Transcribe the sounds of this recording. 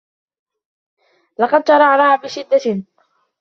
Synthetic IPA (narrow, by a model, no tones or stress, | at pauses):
lɑqɑd̪ʃɑɾˤɑʕɾɑːhabɪʃɪd̪ːa